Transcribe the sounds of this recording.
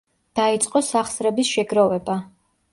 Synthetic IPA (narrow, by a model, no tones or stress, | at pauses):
d̪̥ait̪sʼqʼɔsaχsɾɛbisʃɛɡɾɔvɛba